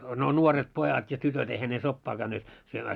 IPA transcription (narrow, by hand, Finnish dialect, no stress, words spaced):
no nuoret pojɑt jɑ tytøt eihæ ne sopːɑː kæynːeːt syømæː